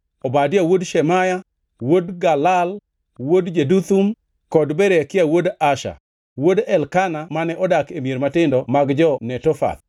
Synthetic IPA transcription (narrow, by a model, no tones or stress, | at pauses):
ɔbadɪawodʃɛmaja | wodɡalal | wodd͡ʒedut̪um | kɔdbɛɾekɪawodaʃa̰ | wodɛlkanamanɛʔɔdakemjeɾmatɪndɔmaɡd͡ʒɔnɛtɔfa̰t̪